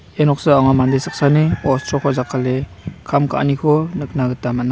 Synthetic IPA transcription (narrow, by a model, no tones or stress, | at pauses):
enɔk̚sɯaŋamandejsak̚saniɔstʰɾɔkʰɔzakʰalekʰamkʰa̰ʔnikʰɔnɯk̚naɡɯtːamana